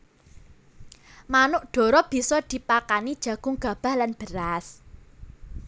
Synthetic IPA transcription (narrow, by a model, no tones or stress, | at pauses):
manʊʔɖ̥ɔ̤ɾɔb̥i̤sɔd̪̥i̤pakanid̥ʒ̥ä̤ɡ̥ʊŋɡ̥a̤b̥a̤hlanb̥əɾas